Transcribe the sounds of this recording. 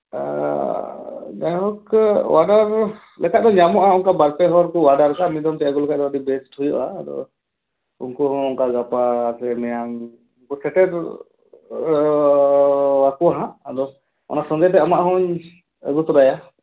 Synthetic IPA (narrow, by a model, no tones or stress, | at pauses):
ɡaɦɔkwaɖaɾ | lʔɛkaʔ̚d̪ɔɲamɔʔaunkabaɾpɛɦɔɾkɔwaɖaɾkamid̪ɔmt̪ɛjakɔlɛkad̪ɔadibɛsʈhujɔʔad̪ɔ̰ | ṵnkɔɦɔ̃uŋkaɡapasɛmɛjaŋ | uŋkɔsʰɛʈɛɾ | wakuaɦãadɔ | ɔ̰nasɔd̪ajt̪ɛamaʔɦɔ̃ɲ | ə̰ɡut̪ɔɾaja